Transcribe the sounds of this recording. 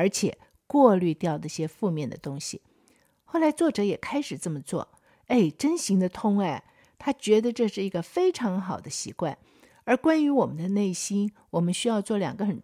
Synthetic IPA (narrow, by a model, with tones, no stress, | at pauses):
ə˞˧˥t͡ɕʰjɛ̰˨˩˦ | kwɔ˥˧ly˥˧t̪jɑ˥˧ʊd̪ə˥˩ɕjɛ˥fu˥˧mjɛ˥˩nd̪ə̰˩t̪ʊ˥ŋɕḭ˨˩ | xo˥˩ʊla˧˥ɪt͡swɔ˥˩ʈ͡ʂɤ˨˧˥jɛ˨˩kʰa˥ɪʂɻ̩˨˩t͡sə˥˩mə˩t͡swɔ̰˥˩ | e˥˩ɪʈ͡ʂə˥nɕi˧˥ŋd̪ə˧t̪ʰʊ˥ŋa˥˩ɪ | t̪ʰa˥t͡ɕɥɛ˧˥d̪ə˧ʈ͡ʂɤ˥˧ʂɻ̩˥˩i˧˥ɡə˧fe˥ɪʈ͡ʂʰɑ˧˥ŋxɑ˨˩ʊd̪ə˦ɕḭ˧˥kwa̰˥˩n | ə˞˧˥kwa˥ny˧˥wɔ˨˩mə˦nd̪ə˧ne˥˩ɪɕi˥n | wɔ˨˩mə˦nɕy˥jɑ˥˧ʊt͡swɔ˥˩ljɑ̰˨˩ŋɡə˦xə˨˩n